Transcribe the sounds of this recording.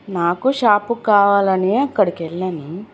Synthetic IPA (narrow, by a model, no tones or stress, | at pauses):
naːkuʃaːpukaːʋaːlɐneɐkːɐɽikelːɐni